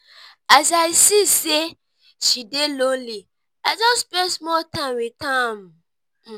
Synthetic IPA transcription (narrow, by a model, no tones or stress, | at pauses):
as̬aɪsise | ʃidelõnli | aɪd͡ʒɔspɛ̃nsmɔtãɪ̃mwitʰãm